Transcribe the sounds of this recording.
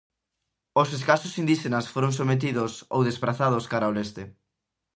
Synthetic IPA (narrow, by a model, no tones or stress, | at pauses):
oseskasʊsind̪iʃenɐsfoɾõŋsomet̪̬iðʊso̰wðespɾaθað̞oskaɾaolest̪e